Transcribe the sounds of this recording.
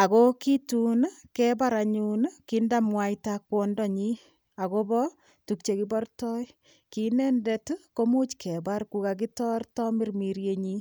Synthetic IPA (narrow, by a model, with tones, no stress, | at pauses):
a˨ko˦ki˦tunkɛba˦ɾaɲunkindamwaitakwɔ˨ndɔ˦ɲi˦ | a˨kobɔ | tuk̚t͡ʃeki˦bɔ˦rtɔ˦j | kinɛ˦ndetko˦mu˦t͡ʃkʰɛ˨ba˦ɾku˦kak̬itɔ˦rtɔ˦mi˦ɾmiɾjeɲi˦